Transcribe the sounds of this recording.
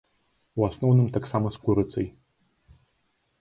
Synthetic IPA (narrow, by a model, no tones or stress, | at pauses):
uwasnɔwnɨmt̪aksamɐskuɾɨt̪sɐj